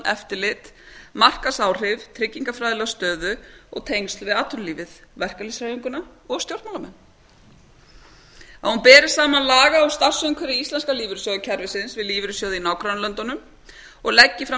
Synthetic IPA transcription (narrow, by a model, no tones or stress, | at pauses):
ʔɛft̪ɪlɪt̪ | mar̥kasaːwr̥ɪvt̪ʰɾɪcːiŋkafɾajðlœɣst̪œːðʏɔɣt̪ʰejnst̪lvɪðaːt̪ʰʏlliːvɪðvɛr̥kalisraːjiŋkʏna | ɔɣst̪jowr̥t̪maːlamɛnː | ahunpɛːɾɪ̥saːmanlaːɣaɔst̪ar̥sʏʏmkʰvɛɾɪist̪lɛnskaliːvɪɾɪsjɔːðɪcʰɛɾvɪsɪnsvɪðliːvɪɾʏsjawðɪinawkɾanlœnt̪ɔnʏm | ɔɣlɛcːɪfɾa